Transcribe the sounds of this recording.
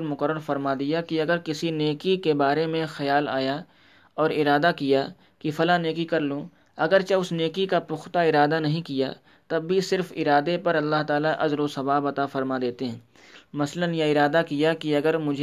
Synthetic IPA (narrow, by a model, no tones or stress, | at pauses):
ɾmʊkəɾːəɾfɐɾmad̪ijakiɐɡəɾkɪsineːkikebaːɾemẽxɐjaːla̰ːja | ɔːɾɪɾaːd̪akija | kifɐlaneːkikɐɾlõ | ɐɡəɾt͡ʃaʊsneːkikapʊxt̪aɪɾaːd̪anɐɦĩkija̰ | t̪ɐbːisɪɾfɪɾaːd̪epɐɾɐlːaɦt̪aːlaʔɐzɾosɐʋaːbɐt̪afɐɾmad̪eːt̪eɦɛ̃ː | mɐslənjaɪɾaːd̪akijakiɐɡəɾmʊd͡ʒʱ